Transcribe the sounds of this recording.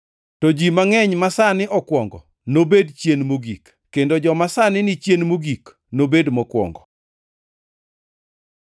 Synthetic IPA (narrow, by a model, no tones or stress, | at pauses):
tod͡ʒimaŋɛɲmasanɪʔɔkwɔŋɡɔ̰ | nobedt͡ʃjenmoɡikːendod͡ʒɔmasanɪnɪt͡ʃjenmoɡik | nobedmɔkwɔ̰ŋɡɔ